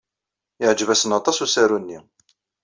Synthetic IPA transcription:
ɪʕd͡ʒvæsənɑt̪ˤɑsusæɾunːi

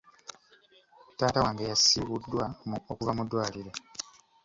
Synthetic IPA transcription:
taːtawaːŋɡejasiːɣudːwaokuvamudwaːliɾe̞

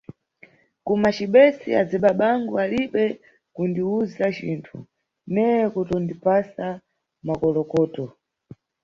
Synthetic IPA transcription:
kumat͡ʃiɓɛsḭa̰d͡ziɓaɓaŋɡualiɓɛ | kundiuzat͡ʃḭːntʰṵ | nɛjɛkutɔndipasa | makɔlɔkɔːtɔ

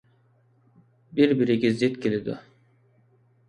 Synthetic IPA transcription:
biɾbiɾikizit̪cilʲid̪ɪ̰

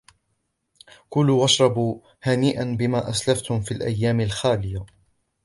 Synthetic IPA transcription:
kʊluwɑʃɾˤɑbuː | haːniːʔanbɪmaːʔaslaft̪hʊmfiːlʔa̰jːaːmɪlxaːlɪja

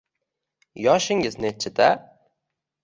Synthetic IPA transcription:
jɒʃɪŋɪznet͡ʃʰɪt̪a

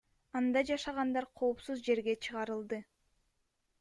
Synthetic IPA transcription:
ɑnd̪ɑd͡ʒɑʃɑʁɑnd̪ɑɾqʰo̞ːpsuzd͡ʒe̞ɾɡe̞t͡ʃʰɯʁɑɾɯlˠd̪ɯ

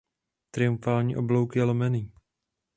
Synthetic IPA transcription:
t̪ɾɪjuɱfaːlɲiːʔoblowkɪjɛlomɛniː

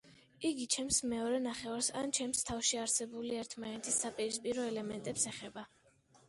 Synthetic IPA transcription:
iɡit͡ʃʰɛmsmɛɔɾɛnaχɛvaɾsa̰nt͡ʃʰɛmst̪ʰafʃiaɾsɛbuliɛɾt̪ʰmanɛt̪ʰisːapʼiɾispʼiɾɔɛlɛmɛnt̪ʼɛpsɛχɛba

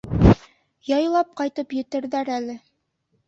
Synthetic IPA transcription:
jɑjlˠɑp̚qɑjt̪ɤpjɵ̆t̪ɘ̆ɾðæɾælɘ

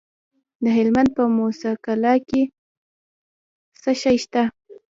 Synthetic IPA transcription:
d̪əɦɪlmand̪̚pəmosɑkalɑke | səʃajʃt̪a

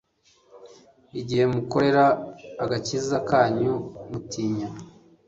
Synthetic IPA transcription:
iɟihe̞muko̞ɾe̞ɾaːɡacizakaːɲumutiːɲa

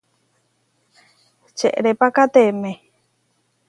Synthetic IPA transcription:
t͡ʃḛʔɾepakat̪eme

